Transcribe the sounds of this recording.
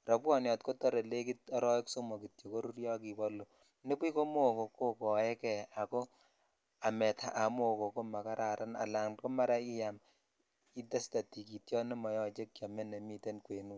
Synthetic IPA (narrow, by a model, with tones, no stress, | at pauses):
rɔ˨pwɔ˦njɔ˨tko˦tɔ˦ɾe˨le˦ki˦tɔ˦ɾɔ˦ɪ˦kso˦mo˨ki˨tjo˨ko˦ɾu˦ɾjɔ˦ki˨bɔ˦lːo˨ | ne˦pi˦ko˦mo˦˨ko˨ko˦kɔ˨ɛ˦kɛ˨a˨ko˦ | a˨mɛ˨tʰa˨ʔa˨mo˦˨ko˨ko˦ma˨ka˦ɾa˨ɾʔa˦na̰˨la˨ŋko˦ma˦ɾa˦i˦ja˨m | i˦ta˦sta˨ti˨ki˨tjɔ˦ne˦mɔ˨jɔ˦t͡ʃe˦kkja˨me˦ne˨mi˦te˦nkwe˨nu˨